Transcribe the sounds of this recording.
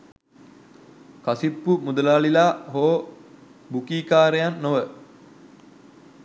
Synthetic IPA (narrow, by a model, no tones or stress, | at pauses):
kasipːumud̪ələːlilaːɦoː | bukiːkaːɾejanːoʋə